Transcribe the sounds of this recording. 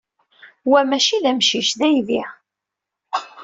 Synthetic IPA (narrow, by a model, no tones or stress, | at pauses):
wæmæʃiðæmʃiʃðæjðiʁ